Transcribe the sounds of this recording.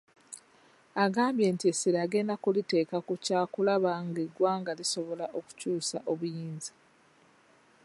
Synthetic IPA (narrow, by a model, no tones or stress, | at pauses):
aɡaːmbje̞ːntiesiɾaːɡe̞ːndakulite̞ːkakucaːkulaβaŋɡeɡwaːŋɡaliso̞βo̞laʔo̞ku̥cuːsa̰ʔo̞βujiːnzi̥